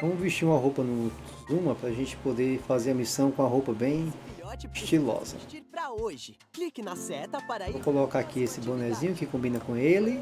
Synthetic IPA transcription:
vɐ̃mʊviʃt͡ʃiɾũmɐɦowpɐnũ | zũmɐpɾɐʒẽnt͡ʃɪ̥pod̪efazeɾɐmisɐ̃w̃kõɐɦowpɐbẽj̃ʃt͡ʃilɔ̰zɐ̰ɾɐoʒɪ | klikɪnɐsɛt̪ɐvokolɔkaakiesɪbõnɛzĩɲʊkɪkõmbĩnɐkõelɪ

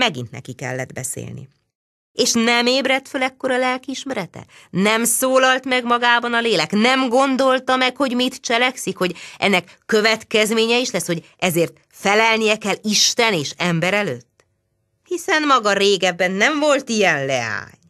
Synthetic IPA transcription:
mɛɡḭnt̪nɛ̰kikɛ̰lːɛ̰d̪bɛ̰sḛːlnḭ | eːʃnɛmeːbrɛt̪følɛkːo̞ɾɒlɛlkiʃmɛɾɛt̪ɛ̰nɛmsoːlɒlt̪mɛɡmɒɡaːbɒnɒleːlɛknɛmɡo̞nd̪o̞lt̪ɒmɛkho̞ɟmit̪t͡ʃɛlɛksikho̞ɟʔɛ̰nːɛkːø̞vɛt̪kɛzmeːɲɛiʃlɛsho̞ɟʔɛzeːrt̪ | fɛlɛlnijɛkɛlːiʃt̪ɛneːʃɛmbɛɾɛlø̰ːt̪ː | hisɛnmɒɡɒɾeːɡɛbːɛnːɛɱvo̞lt̪ijɛnlɛa̰ːɲ

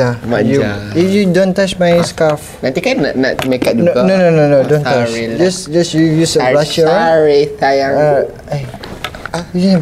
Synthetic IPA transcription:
amajuifjudõntat͡ʃmãjskaf | nãnt̪ikana̰ʔna̰ʔmekat̪̚d͡ʒunoɡnonononodõnat͡ʃd͡ʒasd͡ʒasɹijusəblat͡ʃəɹet̪ajãa | a | aud͡ʒɛ

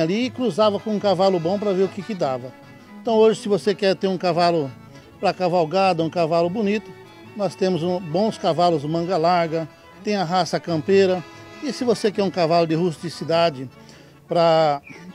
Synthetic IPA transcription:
aliɪkɾuzavɐkõũkavalʊbõpɾɐveɾʊkɪkɪd̪avɐ | eẽnt̪ɐ̃w̃oʒɪsɪvosekɛɾt̪eɾũkavalʊ | pɾɐkavawɡad̪ɐũkavalʊbonit̪ʊ̥ | nɔst̪ẽmʊzũbõw̃skavalʊzmɐ̃ɡɐlaɾɡɐ | t̪ẽj̃ɐɦasɐkɐ̃mpeɾɐɪsɪvosekɛɾũkavalʊd̪ɪhust͡ʃ̪ɪsid̪ad͡ʒɪ | pɾɐ

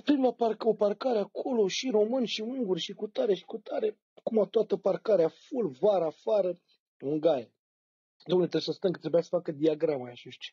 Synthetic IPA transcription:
pɾimlaparkoparkaɾeakʰo̞lo̞ʃiro̞mɨnʃiɨŋɡurʲʃikut̪aɾe̞ʃi̥kut̪aɾe̞ | kumat̪oat̪əparkaɾeafulvaɾaːfaɾə | uŋɡaje | d̪omnet̪ɾebesəst̪ənkət̪ɾebujasə̥fakəd̪iaɡɾamajaʃoʃt͡ʃe̥

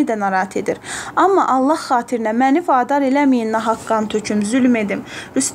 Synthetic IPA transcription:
id̪ænɑɾɑːhæt̪ʰe̞d̪iɾɑmːɑʔɑlˠːɑhχɑːt̪ʰiɾinæmænifɑːd̪ɑɾe̞læmijinnːɑɦɑkːɑnt̪ʰøcʰymzylme̞d̪imɾyst̪

